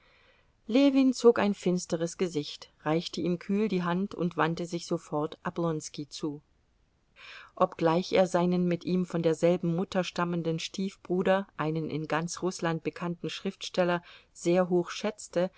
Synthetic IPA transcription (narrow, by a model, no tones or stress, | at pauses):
leːviːnt͡soːkaɪnfɪnstəʁəsɡ̥əzɪçtʁaɪçtəʔiːmkʰyːldiːɦantʊ̰ntv̥antəzɪçz̥ofɔɐtʔabʁɔnskit͡suː | ʔɔpɡ̥laɪçʔḛːɐzaɪnənmɪtʔiːmfɔndeːɐzɛlbm̩ːʊtʰɐʃtaməndənʃtʰiːfb̥ʁuːdɐʔaɪnənʔɪ̰nɡant͡sʁʊslant̚b̥əkʰantn̩ʃʁ̥ɪftʃtɛlɐz̥eːɐɦoːçʃɛt͡stə